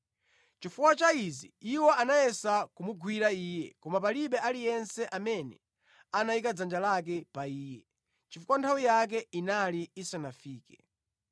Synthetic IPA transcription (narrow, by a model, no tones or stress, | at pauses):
t͡ʃifuwat͡ʃaiziiwɔʔanajɛsakumuɡʱwiɾaiːjɛkɔmapaliɓɛalijɛnsɛʔamɛnɛ | anawikad͡zand͡ʒalak̬ɛpaiːjɛ | t͡ʃifukwantʰawijak̬ɛinaliisanafiːkɛ